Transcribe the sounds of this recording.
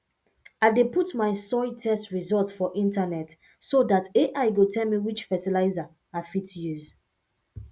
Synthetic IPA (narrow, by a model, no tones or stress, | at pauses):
aɪdeputmaɪsɔɪtʰɛstɹizɔltfɔʔĩntanɛt | sodateʔaɪɡotʰɛlmiwit͡ʃfɛtilaɪza | afitjuz